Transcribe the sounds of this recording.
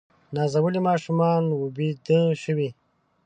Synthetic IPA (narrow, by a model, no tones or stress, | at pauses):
nɑːzɐwulimɑːʃumɑːnwubid̪əʃəwi